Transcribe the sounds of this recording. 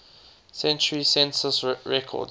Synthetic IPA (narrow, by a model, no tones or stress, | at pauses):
sɛ̃nt͡ʃəɹisɛ̃nsəsɹɛkʰɔ̰d